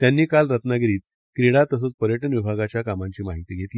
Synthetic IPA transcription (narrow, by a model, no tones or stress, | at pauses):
t̪janːiːkalɾət̪naɡɾiːt̪ | kɾiɽat̪əs̬ot͡spəɾjəʈənʋibʱaɡat͡ɕjakamãɲt͡ɕiːmaɦit̪iːɡʱet̪li